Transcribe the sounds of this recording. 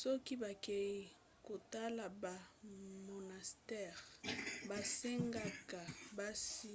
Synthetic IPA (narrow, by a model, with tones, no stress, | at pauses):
sɔ˦ki˦ba˨ke˨ji˨ | ko˨ta˦la˨ba˨mo˨na˨stɛ˦˨ʁba˨se˦ŋɡa˦ka˨ba˦si˦